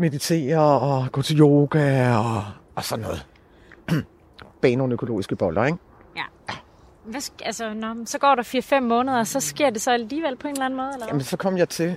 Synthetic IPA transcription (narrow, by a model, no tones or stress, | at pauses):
me̝ðˠit͡sʰe̝̰ːɐɒ̽ɡ̥ɔ̰̽ːt͡sʰe̝ljo̝ːɡ̥æɒ̽ːsɒ̽nːɔ̽ːð̩ˠ | b̥ɛːnoːnøkʰo̝lo̝̰ːisɡ̥əb̥ɒ̽lɐeɡ̥ | jæ | ʋæsælsənɒmsɒ̽ɡ̥ɒ̰ːɾ̥ɑ̈fiːɐfem̰ːɔ̽ːnəð̞ˠɐsɒ̽sɡ̥e̝ɐ̰d̥e̝sɒ̽æliːʋel̰pʰɒe̝nlæn̩mɔ̽ːðˠelɐjæmənsɒ̽kʰɒ̽m̰jɑ̈ɪt͡sʰe̝